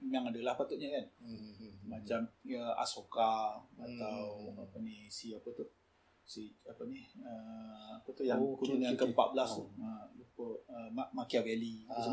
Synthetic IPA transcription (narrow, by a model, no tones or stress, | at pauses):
jaŋadəlahpat̪uʔ̚ɲakan | mat͡ʃaməa̰sokaat̪awapənisiapət̪uh | sit͡ʃapənihəapət̪uhjaŋkuɾunankəmpa̰ʔ̪̚bəlast̪ʊhəlupoʔəmamakiavɛliəs